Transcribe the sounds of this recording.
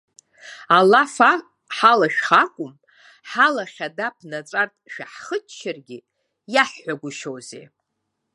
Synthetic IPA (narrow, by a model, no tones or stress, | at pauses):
alafa | ħalaʃᶣχakʷʼʊm | ħalaχʲadapʰnat͡sʼartʼʃᶣaħχət͡ʃʃʰarɡʲɪ | jaħːʷaɡʷʊʃowzḛ